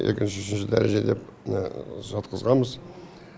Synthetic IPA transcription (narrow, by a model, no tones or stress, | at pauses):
ʔe̞kʲɪnʃɪʏʃɪnʃɪd̪æɾeʒe̞d̪e̞p̚nɑʒɑt̪qəzʁɑməz